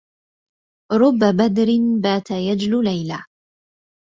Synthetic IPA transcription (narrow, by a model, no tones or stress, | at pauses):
ɾˤʊbːabad̪ɾɪnbaːt̪ajad͡ʒlʊlajla